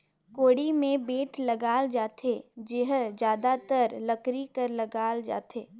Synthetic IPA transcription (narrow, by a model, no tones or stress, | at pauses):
koːɽimẽbeːʈʰlɐɡaːld͡ʒaːt̪ʰed͡ʒɪɦd͡ʒjaːd̪at̪əɾlɐkɾikəɾlɐɡaːld͡ʒa̰ːt̪eː